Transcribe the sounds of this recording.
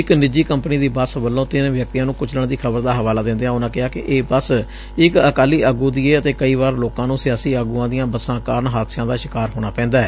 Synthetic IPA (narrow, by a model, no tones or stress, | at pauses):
ɪknɪd͡ʒiːkəmpniːd̪iːbəsʋəlːõːt̪ɪnʋjək̚t̪iːjãːnũːkʊt͡ʃʰləɳd̪iːkʰəbəɾd̪aːɦəʋaːlaːd̪ɪ̃nd̪eːãːʊnãːkɪɦaːkɪʔeːbəs | ɪkəkaːliːʔəːɡuːd̪iːeːət̪eːkəiːʋaːɾloːkãːnũːsɪjaːsiːaːɡuːãːd̪ijãːbəsãːkaːɾɳɦaːt̪sɪjãːd̪aːʃɪkaːɾɦoːɽ̃aːpɛ̃ːnd̪aːɛː